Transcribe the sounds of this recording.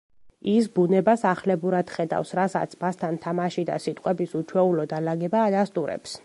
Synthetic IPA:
isbunɛbasaχlɛbuɾad̪̥χɛd̪a̰fsɾasa̰t̪sʰmast̪ʰant̪ʰamaʃid̪a̰sit̪ʼqʼwɛbisut͡ʃʰwɛulɔd̪alaɡɛbaːd̪ast̪ʼuɾɛ̰ps

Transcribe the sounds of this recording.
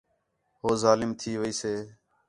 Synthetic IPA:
hoːzaːlɪmt̪ʰiːʋəiːseː

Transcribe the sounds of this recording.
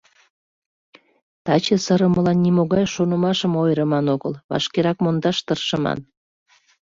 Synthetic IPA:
t̪ɑt͡ɕəsəɾəməlɑnːimoɣɑjʃonəmɑʃəmojɾəmɑnoɣəlβɑ̰ʃkeɾɑkmond̪ɑʃt̪ərʃəmɑ̰n

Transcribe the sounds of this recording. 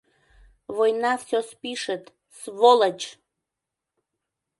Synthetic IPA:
βojnɑfsʲospiʃət̪ | sβolət͡ɕ

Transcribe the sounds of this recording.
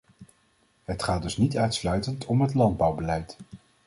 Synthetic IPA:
ɦətχaːdɵsnitœɥtslœɥtəntʰɔmɦətlɑnd̚bʌwbəlɛjt

